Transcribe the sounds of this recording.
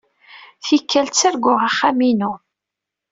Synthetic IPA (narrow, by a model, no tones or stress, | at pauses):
θikːælt͡sːæɾɡʊʁaχːæminu